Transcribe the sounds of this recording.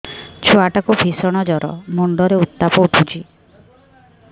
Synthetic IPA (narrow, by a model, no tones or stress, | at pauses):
t͡ʃʰuaʈakubʱisɔɽ̃ɔd͡ʒɔɾɔ̰moɳɖɔɾeut̪ːapɔuʈʰut͡ʃʰi